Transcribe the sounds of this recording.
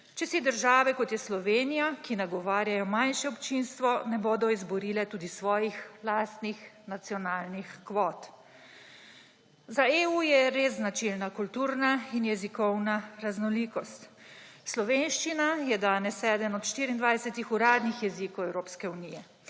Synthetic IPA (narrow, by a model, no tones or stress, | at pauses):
t͡ʃɛsid̪əɾʒaːʋɛkɔt̪jɛslɔʋeːnijakinaɡɔʋaːɾjajɔmanʃɛɔpt͡ʃinst̪ʋɔnɛboːd̪ɔizbɔɾiːlɛt̪uːd̪isʋɔːjixlaːst̪nix | nat̪siɔnaːlnixkʋɔːt̪ | zaeːujɛɾeznat͡ʃilnakult̪uːɾnainjɛzikɔwnaɾaznɔliːkɔst̪ | slɔʋeːnʃt͡ʃinajɛd̪aːnɛsːɛːd̪əmɔt̪ʃt̪iːɾind̪ʋajɛsɛt̪ixuɾaːd̪nixjɛzikɔwɛwɾoːpskɛunijɛ